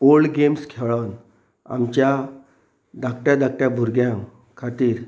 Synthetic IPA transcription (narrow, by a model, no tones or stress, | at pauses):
oɭɡemskʰeʋɭawn | a̰mt͡ɕja | d̪akʈjad̪ak̚ʈjabʱuɾɡjã | kʰat̪iːɾ